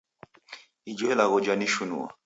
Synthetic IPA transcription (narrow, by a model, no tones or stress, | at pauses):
id͡ʒɔɛlaɣɔd͡ʒaniʃunṵa̰